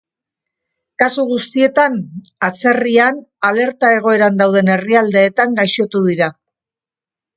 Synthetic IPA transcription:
kasuɣust̪ie̞t̪an | at͡se̞rianale̞ɾt̪ae̞ɣ̞o̞e̞ɾand̪awð̞e̞ne̞riald̪e̞ːt̪aŋɡajʃo̞t̪uðiɾa

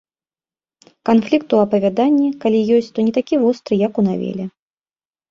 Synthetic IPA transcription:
kanflʲik̚t̪uɐpɐvʲad̪anʲːikalʲijɔsʲt͡sʲt̪ɔnʲɛt̪akʲivɔst̪ɾɨjɐkunavʲḛlʲɛ

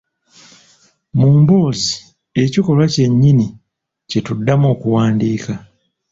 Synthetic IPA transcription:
muːmbo̞ːzi | e̞ciko̞lwace̞ɲːini | ce̞tudːamoːkuwaːndiːka

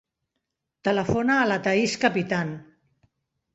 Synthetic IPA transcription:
t̪ələfonaːlat̪aiskəpit̪an

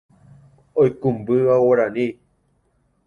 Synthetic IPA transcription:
ojkũmbɨʋawaɾani

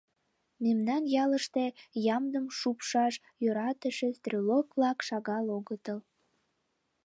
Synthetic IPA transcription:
memnɑnjɑləʃt̪ejɑmd̪əmʃupʃɑʃ | jøɾɑt̪əʃest̪rʲolokβlɑkʃɑɣɑloɣət̪əl

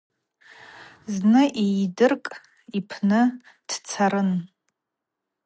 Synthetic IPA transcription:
znɨʔijdɨrkʼ | ipʰnɨ | d̥t͡sʰaɾɨn

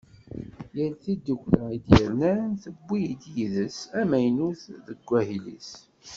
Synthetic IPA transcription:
jəlθid̪ːukʷləid̪jəɾnænθəbʷːijd̪jiðəsæmæjnuθðəɡʷːæɦilḭs

